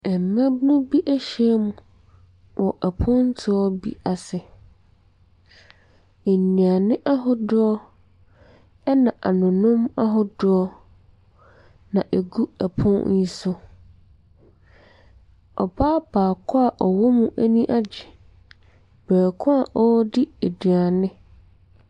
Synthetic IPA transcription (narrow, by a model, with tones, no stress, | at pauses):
ɛ˨m˨mɛ̃˦bnũ˦bi˦ʔæ˦ɕɛ˦mũ˨ | wʔɔ˨ʔɛ˨pʰʊ̃˦n̩˦tʰɪ˦ɔ˦bḭ˦a˨sɪ˨ | e˨nĩ˨a˨nɪ̃˦ʔa˦ɦʊ˦dʊ˦ɔ˦ | ɛ˦nã˨ʔa˨nʊ̃˨nʊ̃˦ma˦ɦʊ˦dʊ˦ɔ˦ | nã˨ʔe˨ɡu˦æ˨pʰʊ̃˦n˦ji˨sʊ˦ | ɔ˨baː˦baː˨kʰʊ˦a˨ʔɔ˨wɔ˦mũ˦ʔæ˦nĩ˦ʔa˦d͡ʑɪ˨ | b̥æː˨kʰʊ̃˦a˨ʔɔ˦dɪ˦e˨dɥa˨nɪ̃˦